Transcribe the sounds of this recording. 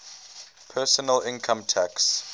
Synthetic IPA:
pʰɜːˑsənəlɪ̃nkʰãmtʰæks

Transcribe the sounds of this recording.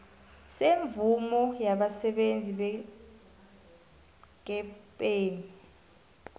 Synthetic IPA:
seɱb̪vumɔjaɓasɛɓend͡zʱiɓɛ | k̬ɛpʼeːni

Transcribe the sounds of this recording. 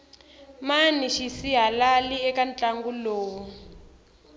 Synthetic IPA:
maniʃisiɦalaliɛkant͡ɬʼaŋɡuloːwu

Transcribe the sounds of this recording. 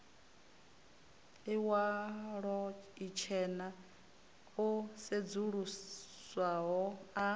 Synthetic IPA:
iwaɺɔit͡ʃʰɛna | used͡zuɺuswaɦɔa

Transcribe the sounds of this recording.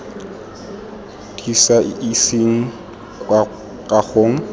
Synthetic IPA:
d̥isaisiŋ̩ | a | kʼaɣoŋ̩

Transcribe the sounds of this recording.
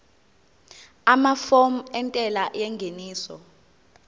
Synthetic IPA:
amafom̩ɛntʼɛlajɛŋɡʱeniːsɔ̰

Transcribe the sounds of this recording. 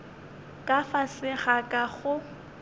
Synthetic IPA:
kʼafasɪχakʼaχʊ

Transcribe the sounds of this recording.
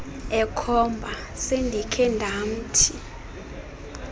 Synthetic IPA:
ɛkʰɔmbʱa | sendʱikʰɛndʱam̩tʰi

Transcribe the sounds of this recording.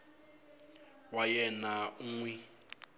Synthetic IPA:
wajɛnauŋwɛ

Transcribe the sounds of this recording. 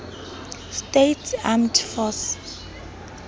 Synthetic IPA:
stetʰamtʰfɔs

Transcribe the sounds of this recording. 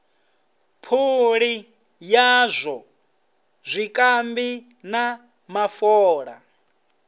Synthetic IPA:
pʰuɺi | jazʷɔ | zʷikʼambi | na | mafɔːɺa

